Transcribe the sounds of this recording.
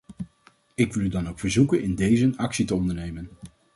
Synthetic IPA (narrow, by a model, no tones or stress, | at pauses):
ɪkʋɪlˠydɑnowkfəɹzukənɪndejzənɑksitəɔndəɹnejmən